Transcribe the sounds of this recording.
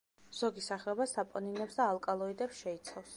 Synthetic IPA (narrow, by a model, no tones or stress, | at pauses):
z̥ɔɡisaχlɛbasapʼɔninɛpsd̪aːlˠkʼalˠɔid̪ɛpsʃɛit̪sʰafs